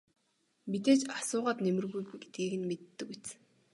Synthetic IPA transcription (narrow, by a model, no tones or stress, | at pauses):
mit̪eːt͡ɕasʊːʁaːt̪nemɘ̆rɣujɡe̥t̪̚ɡiːɣɘ̆nmet̪ːɘ̆ket͡sɘ̆